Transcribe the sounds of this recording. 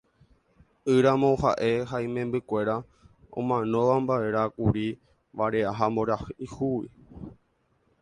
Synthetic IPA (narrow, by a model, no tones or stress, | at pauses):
ɨɾamõ̞ha̰ʔe̞ɦaĩmẽ̞mbɨkʷe̞ɾa | õ̰mãnõ̞ʋambae̞ɾakuɾi | ʋaɾe̞aɦamboɾahihuwḭ